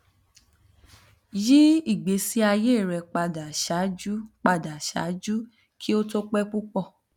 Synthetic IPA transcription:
ji˦i˦˨ɡ͡be˨˦si˦a˧je˦˨ɾɛ˧k͡pa˧da˨ʃa˨˦d͡ʒu˦k͡pa˧˨da˨ʃa̰˨˦d͡ʒu˦ | kʰi˦o˦to˦k͡pɛ˦k͡pu˦k͡pɔ˧˨

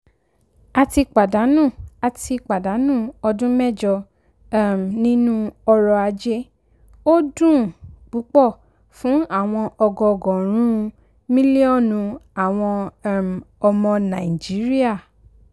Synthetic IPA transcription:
a˧ti˧k͡pa˨da˨˦nũ˦˨a˧ti˧k͡pa˨da˨˦nũ˦˨ɔ˧dũ˦mɛ˦˨d͡ʒɔ˧˦ | m˨nĩ˦nũ˦ɔ˧ɾɔ˧a˧d͡ʒe˦ | o˦dũ˦˨k͡pu˨˦k͡pɔ˦˨ | fũ˨˦a˦˨w̃ɔ̃˧ɔ˧ɡɔ˨˧˨ɡɔ̃˨ɾ̃ũ˦˧ | mĩ˦li˦ɔ˦˨nũ˧a˨w̃ɔ̃˧˦˨m˨ | ɔ˧mɔ̃˧nã˨i˨d͡ʒi˨˦ɾi˦a˦˨

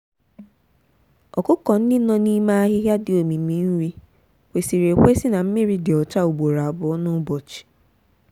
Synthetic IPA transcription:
ɔ˨kʊ˦kɔ˨n̩˦dɪ˦nɔ˦ni˦ma˦a˦ɦɪ˦ɦja˦dɪ˨o˨mi˨mi˨n̩˦ɾi˦ | wʷe˨si˨ɾe˨kʷe˦sɪ˦na˨m̩˦mɪ˦ɾi˦dɪ˨ɔ˨t͡ʃa˦u˨ɡ͡bo˨ɾa˨a˨bʊ˨ɔ˦nʊ˦bɔ˨t͡ʃi̥˨

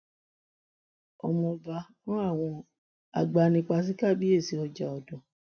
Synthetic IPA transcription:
ɔ˧mɔ̃˧ba˧nɔ̃˦a˦˨w̃ɔ̃˧ | a̰˨ɡ͡ba˧nĩ˧k͡pa˧s̬i˦ka˦˨bi˦e˦˨si˧ɔ˧d͡ʒa˨ɔ˨dɔ̃˨

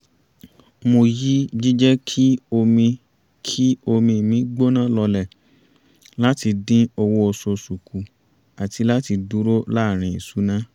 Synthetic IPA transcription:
mo˧ji˦d͡ʒi˦d͡ʒɛ˦kʰi˦o˧mĩ˧ | kʰi˦o˧mĩ˧˨mĩ˨˦ɡ͡bo˦nã˦lɔ˧lɛ˦˨ | la˦ti˧dĩ˦o˧wo˧o˧so˧su˨ku˨ | a˨ti˧la˦ti˧du˦ɾo˦la˦˨ɾ̃ĩ˨i˨su˨˦nã˦

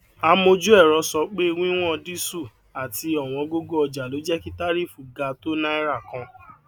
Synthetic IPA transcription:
a˧mo˧d͡ʒu˦ɛ˦˨ɾɔ˧˦sɔ˧˦k͡pe˦i˦˧wũ˦w̃ɔ̃˦˧di˦su˦˨ | a˨tʰi˧ɔ˨w̃ɔ̃˧ɡo˦ɡo˦ɔ˧d͡ʒa˨lo˨˦d͡ʒɛ˦ki˦ta˦ɾi˦˨fu˦˨ɡa˧to˦nã˦i˦ɾa˦˨kã˧

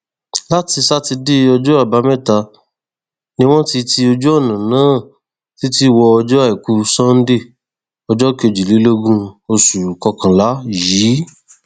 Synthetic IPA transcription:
la˦ti˧sa˦ti˧de˦ɔ˧d͡ʒɔ˦a˦˨ba˨˦mɛ̃˦˨ta˧ | nĩ˦w̃ɔ̃˦ti˧ti˧o˧d͡ʒɔ˦ɔ˦˨nã˨nãː˨˦˨ | ti˦ti˦˨wɔ˧ɔ˧d͡ʒɔ˦a˦˨i˨ku˧˦sɔ̃˦n̩˦de˦˨ | ɔ˧d͡ʒɔ˦ke˧˨d͡ʒi˨li˨˦lo˦ɡũ˦o˧su˨kɔ˧kã˨la˨˦jiː˨˦

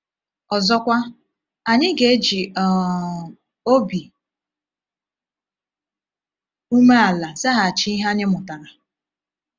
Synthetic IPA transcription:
ɔ˨zɔ˦kʷa˦ | a˨ɲɪ˦ɡe˨e˦d͡ʒi˨ɔ˨ | o˦bi˨ | u˦me˦a˨la˨za˦ɦa˨t͡ʃi˦i˦ɦa˦ɲɪ˦mʊ˨ta˨ɾa˨

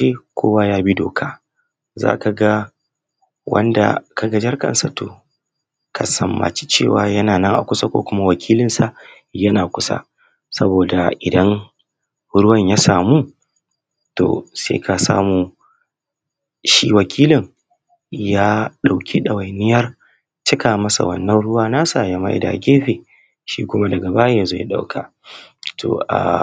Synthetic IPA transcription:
eː˦kʷʰoː˦waː˦jaː˦bi˦do̰ː˨kʰaː˦ | za̰ː˦ka˨ɡa˦ | wɐ̰˦nda̰˨ka˨ɡɐ˦d͡ʒɐ˦rkɐ̰˨nsa˨to̰ː˨ | kʰa˨sɐ˨mːa̰˨t͡ʃi̥˦t͡ʃeː˦˨waː˨jɐ˦naː˨nɐ˦ŋʔa̰˨kʷʊ˦sa˦kʷo̰ː˦kʷʊ˦ma˦wɐ˨kʲʰiː˦lɪ˦nsa˨ | jɐ˦naː˨kʷʊ˦sa̰˦ | sɐ˦boː˨da̰˨ʔɪ˨dɐ˦ŋ | ɾʊ˦wɐ˨ɲjaː˦saː˨muː˦ | to̰ː˨sḛː˦kʰa˨sa̰ː˦muː˨ | ʃḭ˦wɐ˨kʲʰiː˦lɪ˨ŋ | jaː˦ɗa˨wkʲʰi˦ɗɐ˨wa˨jnɪ˦jɐ˦r | t͡ʃɪ˦kʰaː˨mɐ˦sa̰˨wɐ̰˦nːɐ˦nɽʊ˦waː˦naː˦saː˨jɐ˦ma̰˦ʔɪ̰˨da̰˨ɡʲeː˦ɸeː˨ | ʃiː˦kʷʊ˦ma˦dɐ˨ɡɐ˨ba˦je˨zo˦˨ja˨ɗa̰˦wkʰa˨ | tʰo̰˨ʔa̰˨

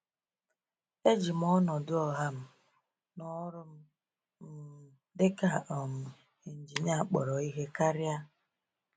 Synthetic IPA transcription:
e˦d͡ʒi˨m̩˦ɔ˦nɔ˨dʊ˦ɔ˨ɦa˦m̩˦ | nɔ˦ɾʊ˦m̩˦ | m̩˦ | dɪ˦ka˨ʔɔ˨m̩˨ | e˨n̩˨d͡ʒi˨ɲa˦˨k͡pɔ˨ɾɔ˨i˦ɦe˦ka˦ɾja˦

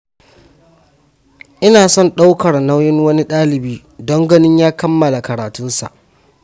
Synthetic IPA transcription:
ʔɪ˦naː˨sɔ˦˨nɗa˦wkɐ˨rna˦wjɪ˦ŋwɐ˦ni˦ɗaː˦lɪ˨biː˦ | dɔ˦ŋɡɐ˦nɪ˦ɲjaː˦kɐ˦mːɐ˨la˨kɐ˨ɾaː˨tʊ˦nsa̰˨ʔ

